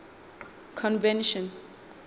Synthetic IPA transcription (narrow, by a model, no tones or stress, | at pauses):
kʰɔ̃nvɛ̃nʃɔ̃n